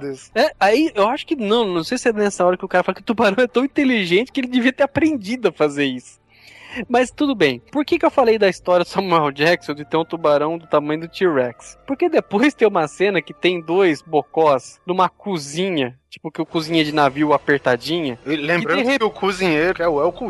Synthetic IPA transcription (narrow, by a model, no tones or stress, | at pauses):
d̪ɐsɛaiewaʃʊ̥kɪnɐ̃w̃nɐ̃w̃sejsɪɛnɛsɐɔɾɐkɪʊkaɾɐfalokɪʊt̪ubaɾɐ̃w̃ɛt̪ɐ̃w̃ĩt̪eliʒẽnt͡ʃɪ̥kɪelɪd̪eviɐt̪eɾapɾẽnd͡ʒid̪ʊɐfazeɾisʊ̥ | mɐst̪ud̪ʊbẽj̃poɾkekɪewfalejd̪ɐist̪ɔɾjiɐd̪ʊsɐmuɛwd͡ʒɛksõd͡ʒɪt̪eɾũt̪ubaɾɐ̃w̃d̪ʊt̪amɐ̃j̃ʊd̪ʊt͡ʃiɾɛkspoɾked̪epojst̪ẽj̃ũmɐsẽnɐkɪt̪ẽj̃d̪ojzbokɔsnũmɐkuzĩɲɐt͡ʃi̥pʊkɪʊkuzĩɲed͡ʒɪnaviwapeɾt̪ad͡ʒĩɲɐlẽmkɪbɾɐ̃heʊkuzĩɲejɾʊkɛʊɛʊku